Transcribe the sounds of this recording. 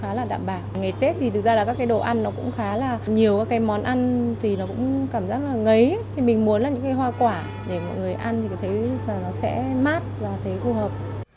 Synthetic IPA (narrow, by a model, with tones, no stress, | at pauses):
xaː˨˦laː˨˩ɗa̰ː˧˨mɓaː˧˩wŋa˨˩jt̪e˦˥t̚t̪ʰi˨˩t̪ɨ˨˩k̚zaː˧laː˨˩kaː˦˥kːaː˨˦jɗo̰˧˨ʔa˧nːɔ˨˦kʊ̰˧˥ŋ͡mxaː˨˦laː˨˩ɲi˨˩əwkaː˨˦kːaː˨˦jmɔ˨˦nʔa˧nt̪ʰi˨˩nɔ˨˦kʊ̰˧˥ŋ͡mkaː˧˩mzaː˦˥k̚laː˨˩ŋə˨˦jt̪ʰi˨˩mï˨˩ŋ̟mu˨˦ənla˨˩ɲɨ̰˧˥ŋka˨˦jɦwaː˧kwaː˧˩ | ɗe˧˩mɔ̰˧˨jŋɨ˨˩əjʔa˧nt̪ʰi˨ka˨˦t̪ʰe˨˦laː˨˩nɔ˨˦sɛ̰˧˥maː˦˥t̚vaː˨˩t̪ʰə˨˦fu˧˩ɦəː˨˩p̚